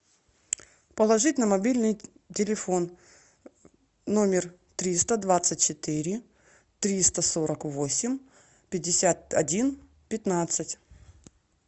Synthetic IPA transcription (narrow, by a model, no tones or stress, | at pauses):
pəlˠɐʐɨtʲnəmɐbʲilʲnɨj | tʲɪlʲɪfo̞n | o̞mʲɪr | t̪ɾʲist̪əd̪vat̪sɨtʲt͡ɕɪt̪ɨɾʲɪ | t̪ɾʲist̪əso̞ɾəkvosʲɪmʲ | pʲɪdʲːɪsʲat̪̚ɐdʲin | pʲɪt̪nat̪sɨtʲ